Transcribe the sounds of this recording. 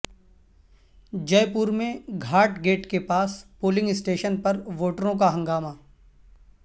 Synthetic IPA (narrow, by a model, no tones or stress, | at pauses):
d͡ʒɐjpuːɾmẽɡʱaːʈɡeːʈkepaːspoːlɪ̃ŋɡɪsʈeːʃənpɐɾʋoːʈəɾõkaɦɐ̃ŋɡaːmaː